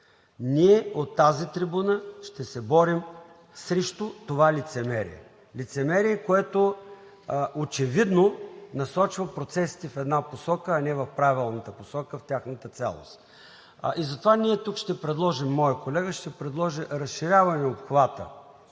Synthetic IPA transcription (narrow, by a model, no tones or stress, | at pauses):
niɛot̪ːazit̪ɾibunəʃt̪ɛsɛbɔɾim | sɾɛʃt̪ut̪ovalit̪sɛmɛɾḭɛ̰ | lit̪sɛmɛɾiɛkoɛt̪o | ot͡ʃɛvid̪nonɐsɔt͡ʃvəpɾot̪sɛsi̥t̪ifɛd̪naposɔkəːnɛvɐfpɾavilˠnət̪əposɔkəft̪ʲaxnət̪ət̪sa̰lˠo̰st̪ | ʔizɐt̪ovaniɛt̪ukʃt̪ɛpɾɛd̪lˠɔʒimːɔjəkolɛɡəʃt̪ɛpɾɛd̪lˠɔʒiɾɐsʃiɾʲavɐnɛopxvat̪ə̰